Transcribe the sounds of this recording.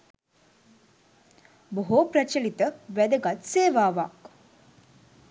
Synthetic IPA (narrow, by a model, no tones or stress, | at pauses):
boɦoprət͡ʃəlit̪əʋæd̪əɡat̪seːʋaːʋak